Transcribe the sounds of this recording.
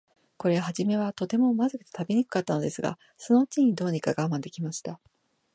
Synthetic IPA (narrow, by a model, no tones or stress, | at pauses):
ko̞ɾe̞ɦaʑime̞β̞at̪o̞t̪e̞mo̞mazɨkɯ̥t̪e̥t̪abiɲ̟ikɯ̟̥kat̪ːano̞d̪e̞sɨɡa̰ | so̞no̞t͡ɕiɲ̟id̪o̞ːɲ̟ikaɡamãnd̪e̞kʲimaɕi̥t̪a